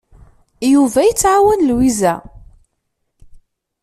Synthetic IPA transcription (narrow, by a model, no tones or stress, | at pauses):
juvæjət͡sːʕawænlwizæ